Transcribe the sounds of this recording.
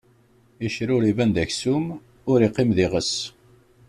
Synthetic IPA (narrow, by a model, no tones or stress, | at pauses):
iʃɾʊɾivænd̪æçsum | ʊɾiqːɪmðiʁəs